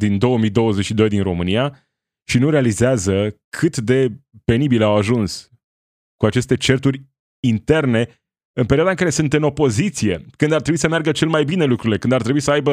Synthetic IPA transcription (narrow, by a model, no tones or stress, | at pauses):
d̪ind̪o̞wəmijd̪o̞wəze̞t͡ʃʃid̪o̞jd̪inro̞mɨnija | ʃinuɾe̞alizeazəkʰɨt̪d̪e̞pe̞nibileawaʒuns | kuat͡ʃe̞st̪e̞t͡ʃe̞rt̪urʲ | int̪e̞rne̞ | ɨnpeɾiad̪aɨŋkaɾe̞sunt̪eno̞po̞zit̪sije̞kɨnd̪art̪ɾebuisəmearɡət͡ʃe̞lmajbine̞lukɾuɾile̞kɨnd̪aɾrt̪ɾebuisəajbə